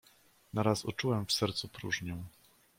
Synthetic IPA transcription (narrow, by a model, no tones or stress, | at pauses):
naɾasṵt͡ʂuwɛmfsɛɾt̪supɾuʐɲɔ̃w̃